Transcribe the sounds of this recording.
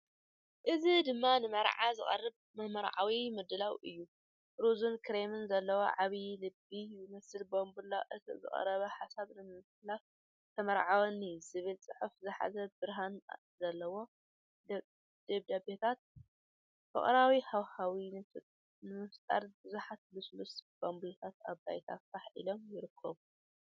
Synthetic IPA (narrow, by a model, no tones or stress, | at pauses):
ʔɨzid̪ɨmːanɨmɐɾʕazɨχʼɐ̰rːɨb | mɐmɐɾʕa̰wimɨd̪ɨlawʔɨ̰jːu | ɾuzunkʰɨɾemɨnzɐlːɐwo̰ʕaβilɨbijɪmɐsɨlbombulaʔɨt̪ʰḭzɨ̰χʼɐ̰ɾɐβɐħasaβnɨmmɨfɨlaf | t̪ʰɐmɐɾʕawonɨjz̥ɨβɨlt͡sʼɨħufzɨħa̰zɐbɨɾɦan | zɐlːɐwo̞ | d̪̥eβd̪abet̪ʰat̪̚ | fɐ̰χʼɾawihawhawin | nɨmɨft̪ʼa̰ɾbɨzuħat̪̚bɨslusb̥ambulɐt̪ʰat̪a̰βba̰jt̪ʰafaħḭlo̞mjɪɾɨkʰːɐβu